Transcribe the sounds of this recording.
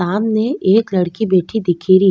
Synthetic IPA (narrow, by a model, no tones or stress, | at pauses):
aːmneeːklɐɽkibeːʈʰid̪ɪkʰiːɾi